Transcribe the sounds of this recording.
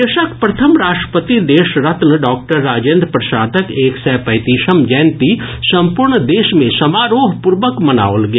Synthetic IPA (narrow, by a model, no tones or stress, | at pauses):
eʃəkpɾɐt̪ʰəmɾaːʃʈɾəpət̪id̪eːʃɾɐt̪nɖɔːk̚ʈəɾːaːd͡ʒẽːnd̪ɾpɾɐʃaːd̪əkeːksɛːpɐɪt̪iːʃəmd͡ʒɛːnt̪isɐ̃mpʊɾɳd̪eːʃmẽsɐmaːɾoːɦpʊɾʋəkmɐna̰ːoːlɡe